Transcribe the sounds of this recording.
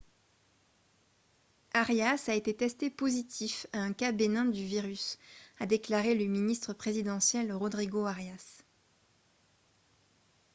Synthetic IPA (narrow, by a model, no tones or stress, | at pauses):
aʁjasaet̪et̪ɛst̪epozit̪ʰifaɛ̃kabenɛ̃d̪yviʁysad̪eklaʁeləminist̪χəpχezid̪ɑ̃sjɛlʁɔd̪ʁiɡoaʁjas